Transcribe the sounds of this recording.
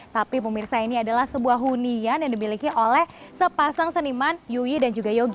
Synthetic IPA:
t̪apipəmirsainiadalahsəbuaɦunianjaŋdimilikiʔolɛhsəpasaŋsənimanjuwidand͡ʒuɡajoɡi

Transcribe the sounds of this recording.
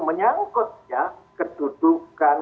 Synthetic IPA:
məɲaŋkʊt̪̚jakəd̥ud̪̥ukkːan

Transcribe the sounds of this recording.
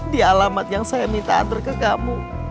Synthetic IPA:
dialamat̪̚jaŋsajamint̪a̰a̰nt̪ərkəkamu

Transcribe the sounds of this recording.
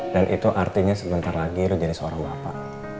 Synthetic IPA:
danʔit̪uʔart̪iɲasəbənt̪aɾalaɡilʊd͡ʒadisəoɾaŋbapa̰

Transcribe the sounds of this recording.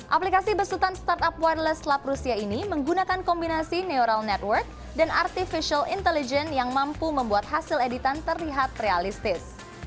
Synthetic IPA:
ʔaplikasibərsut̪anst̪art̪apwadlɛslap̚rusiainiməŋɡunakankɔmbinasineoɾalnɛt̪wərk̚ | dana̰rt̪ifiʃialḭnt̪ɛlid͡ʒɛnjaŋmampuməmbuat̪̚ɦasiledit̪ant̪ərliɦat̪realist̪ɪs

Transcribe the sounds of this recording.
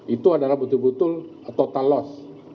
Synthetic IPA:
it̪uadalahbət̪ʊlbut̪ʊlat̪awt̪alɔs

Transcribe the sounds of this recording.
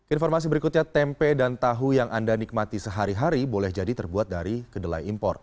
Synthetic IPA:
kəinfɔrmas̬ibəɾikut̪̚ɲat̪ɛmpɛdant̪aɦujaŋʔandanik̚mat̪isəɦaɾiɦaɾibolɛhd͡ʒadit̪ərbuat̪̚daɾikədəla̰jimpɔ̰r

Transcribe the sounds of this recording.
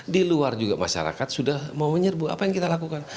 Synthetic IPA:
diluard͡ʒuɡamaʃa̰ɾa̰kat̪̚sudahmawməɲərbua̰pajaŋkit̪alakukan

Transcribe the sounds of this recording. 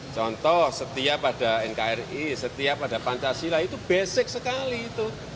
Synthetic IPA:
t͡ʃɔnt̪ɔhsət̪iapaɖ̥a̤ɪŋkaɪrisət̪iapad̥a̤paɲt͡ʃasilait̪ub̥ɛsɪk̚səkaliːt̪u

